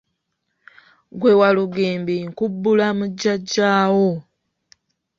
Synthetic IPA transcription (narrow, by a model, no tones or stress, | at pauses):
ɡwe̞waluɡeːmbiŋkubːulamuɟːaɟːaːwo